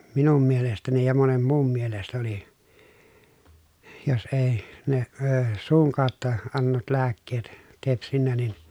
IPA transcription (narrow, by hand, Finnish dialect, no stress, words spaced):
minum mielestæni jɑ monem muːm mielest oli jos eˑi ne əː suːŋ kɑˑotːɑ ɑnːetut læːkːeːt tepsinːæ nin